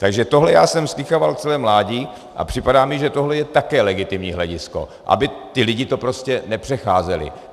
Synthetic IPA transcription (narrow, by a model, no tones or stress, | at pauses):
t̪aɡʒɛt̪o̞ɦlɛjaːsɛmskɪxovalt͡sɛlɛːmlaːɟiː | ʔa̰pr̥ɪpadaːmɪʒɛt̪o̞ɦlɛjɛt̪akɛːlɛɡɪt̪ɪmɲiːɦlɛɟɪsko̞̰ʔa̰bɪt̪ɪlɪɟɪt̪o̞pɾo̞scɛnɛpr̝̥ɛxaːzɛlɪ̰